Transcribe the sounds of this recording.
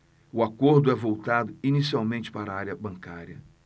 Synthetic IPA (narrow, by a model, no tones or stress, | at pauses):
ʊakoɾd̪ʊɛvowt̪ad̪ʊinisiawmẽnt͡ʃɪ̥paɾɐaɾjɐbɐ̃ŋkaɾiɐ